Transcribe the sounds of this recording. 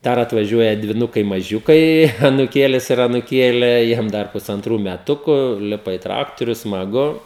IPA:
ˈdɐr ɐtʋɐˈʒʲuɔjɛ dʲʋʲɪˈnʊkɐɪ mɐˈʒʲʊkɐɪ ɐnʊˈkʲeːlʲɪs ɪr ɐnʊˈkʲeːlʲeː ˈjiɛm dɐr pʊsɐnˈtruː mʲɛˈtʊkʊ ˈlʲɪpɐ ɪ ˈtrɑːktoːrʲʊ smɐˈɡʊ

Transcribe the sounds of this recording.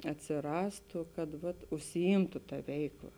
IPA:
ɐtʲsʲɪˈrɑːstʊ kɐt ʋɐt ʊʃʲsʲɪˈiːmtʊ tɐ ˈʋʲɛɪkˌlˠɐ

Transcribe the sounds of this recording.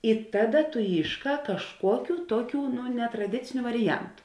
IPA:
ɪ ˈtɑːˌdɐ tʊ ˈiːʃˌkɑː kɐʃˈkuɔkʲʊ ˈtuɔˌkʲuː nʲɛtrɐˈdʲɪt͡sʲɪnʲʊ ʋɐrʲɪˈjɛntʊ

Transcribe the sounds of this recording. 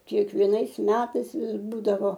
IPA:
kʲiɛkʋʲiɛˈnɐɪs ˈmʲæːtɐɪs ˈʋʲɪs ˈbuːdɐʋoː

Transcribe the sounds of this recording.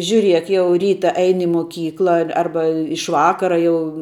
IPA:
ʒʲʊˈrʲiɛk ˈjɛʊ ˈrʲiːtɐ ˈɛɪnʲɪ ɪ moːˈkʲiːklˠɐ ɐr ˈɐrbɐ ɪʃ ˈʋɑːkɐrɐ jɛʊ

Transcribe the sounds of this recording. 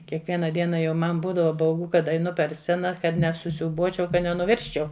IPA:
kʲiɛkˈʋʲiɛnɐ ˈdʲiɛnɐ jɛʊ ˈmɐn ˈbuːdɐʋɐ bɐʊˈɡʊ ˈkɐt ɐɪˈnʊ pʲɛr ˈsʲt͡sʲæːnɐ ˈkɐt nʲɛsʊsʲuːˈbuɔt͡ʃʲɛʊ ˈkɐt nʲɛnʊˈʋʲɪrʲsʲt͡ʃʲɛʊ

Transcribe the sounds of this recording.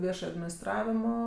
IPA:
ˈʋʲiɛʃɐj ɐdʲmʲɪnʲɪsˈtrɑːʋʲɪmoː

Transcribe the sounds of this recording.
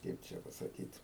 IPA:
ˈkɐɪp t͡ʃʲɛ pɐsɐˈkʲiːt

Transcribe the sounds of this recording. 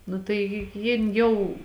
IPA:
ˈnʊ tɐɪ jɪ ˈjɪn ˈjɛʊ

